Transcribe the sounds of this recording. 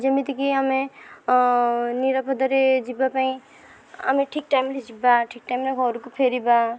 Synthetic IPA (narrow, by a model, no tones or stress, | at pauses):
d͡ʒʌmit̪ikiɦʌme | niɾʌpʰʌd̪ʌɾed͡ʒibapaĩ | a̰meʈʰik̚ʈajmled͡ʒibaʈʰik̚ʈajmleɡʱʌɾukopʰeɾiba